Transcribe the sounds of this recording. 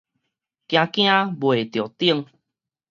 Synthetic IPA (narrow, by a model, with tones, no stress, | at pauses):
kj̃ã˧kj̃ã˧bwe˨t̪jo˨t̪i˦˧˦ŋ